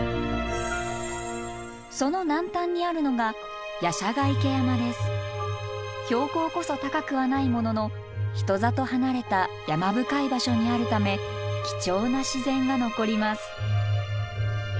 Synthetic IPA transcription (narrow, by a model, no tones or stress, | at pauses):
so̞no̞nãnt̪ãɲ̟ːiaɾɯ̟no̞ɡa | jaɕaɡaike̞jamad̪e̞sɨ̥ | çʲo̞ːko̞ːko̞so̞t̪akakɯ̟βanaimo̞no̞no̞ | çi̥t̪o̞zat̪o̞hanaɾe̞t̪ajamabɯ̟kaibaɕo̞ɲ̟iaɾɯ̟t̪ame̞kʲi̥t͡ɕo̞ːnaɕizẽ̞ŋɡano̞ko̞ɾʲimasɨ̥